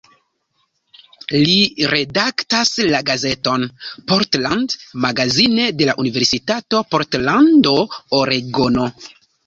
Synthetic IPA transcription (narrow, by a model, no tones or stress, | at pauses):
liɾe̞daktaslaɡaze̞to̞npoɾtlandmaɡazine̞de̞laʔunive̞ɾsitato̞po̞ɾtlando̞oɾeɡono̞